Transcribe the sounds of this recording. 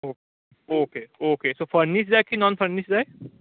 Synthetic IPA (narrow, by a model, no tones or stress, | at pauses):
oːke | oːkeːoːkesoːfʰəɾniʃd͡ʒajkinɔ̃ːnfʰəɾnɪʃd͡ʒaːe